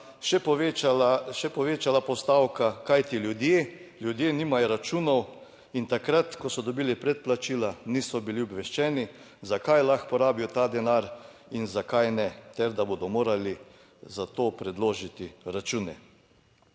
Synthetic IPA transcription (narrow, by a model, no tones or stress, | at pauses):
ʃɛ | ʃɛpɔʋeːt͡ʃalapɔst̪aːwkakajt̪iljud̪jeːlʲjud̪jeːniːmajɔɾat͡ʃuːnɔw | int̪akɾat̪kɔsɔd̪ɔbiːlipɾɛt̪̚plat͡ʃiːlaniːsɔbiliɔbʋɛʃt͡ʃɛːni | zakajlaxpɔɾaːbiɔt̪aːd̪ɛnaɾ | inzakajnɛt̪ɛɾd̪abod̪ɔmoːɾali | zat̪oːpɾɛd̪loːʒit̪iɾat͡ʃuːnɛ